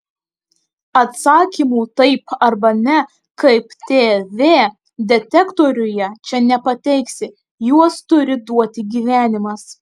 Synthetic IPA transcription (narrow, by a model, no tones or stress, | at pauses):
ɐt̪sɑːkʲiːmuːt̪ɐɪpɐɾbɐnʲɛ | kɐɪpt̪ʲeːʋʲeː | d̪ʲɛt̪ʲɛkt̪ɔːɾʲʊjɛt͡ʃʲɛnʲɛpɐt̪ʲɛɪksʲɪ | juɔst̪ʊɾʲɪd̪uɔt̪ʲɪɡʲiːʋʲæːnʲɪmɐs